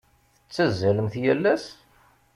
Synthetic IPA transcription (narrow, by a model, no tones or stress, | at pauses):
θət͡sːæzːæləmθjælːæs